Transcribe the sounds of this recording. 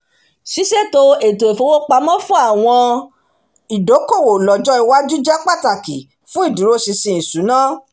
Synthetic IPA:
si˨˦se˦˨to˧˦e˨to˨e˨fo˧˦wo˦k͡pa˧˦mɔ̃˦fũ˦a˦˨w̃ɔ̃˧ | i˨do˨˦ko˦˨wo˨lɔ˨d͡ʒɔ˦i˧wa˦d͡ʒu˦d͡ʒɛ˦k͡pa˦˨ta˨ki˨ | fũ˦i˦˨du˨˦ɾo˦si˧sĩ˧ĩ˨sũ˨˦nã˦

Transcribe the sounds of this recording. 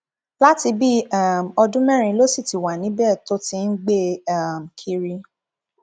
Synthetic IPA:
la˦ti˧bi˦a˦˨m̩˨ɔ˧dũ˦mɛ̃˦ɾ̃ĩ˧˦lo˦si˦˨ti˨wa˨nĩ˨˦bɛ˦˨to˦tĩ˦n̩˦ɡ͡be˦a˦˨m̩˨kʰi˧ɾi˧

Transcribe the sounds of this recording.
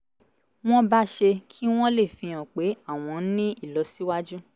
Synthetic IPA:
w̃ɔ̃˦ba˦ʃe˧kʰi˦w̃ɔ̃˦le˦˨fĩ˧ɔ̃˨k͡pe˨˦a˦˨w̃ɔ̃˨˦nĩ˦i˦˨lɔ˨si˨˦wa˦d͡ʒu˦

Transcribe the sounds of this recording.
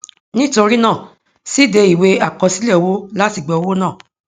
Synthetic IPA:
nĩ˦to˧ɾi˦nãː˦˨ | si˦˨de˧i˨we˧a˨kɔ˧si˦lɛ˦˨wo˦la˦ti˦˨ɡ͡bɛ˨o˧wo˦nãː˦˨

